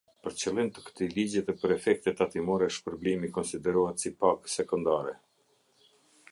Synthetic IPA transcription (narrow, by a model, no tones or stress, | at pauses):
pəɾt͡ɕəlˠint̪ə̥kə̥t̪ilid͡ʑɛt̪ɛpəɾɛfɛk̚t̪ɛt̪at̪imɔɾɛʃpəɾblimikɔnsid̪ɛɾuhat̪sipaksɛkɔnd̪aɾɛ